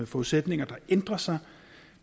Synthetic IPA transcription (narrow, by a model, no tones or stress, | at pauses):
fɒːuðˠsed̥ne̝ŋɐd̥ɑ̈end̥ʁɐsɑ̈ɪ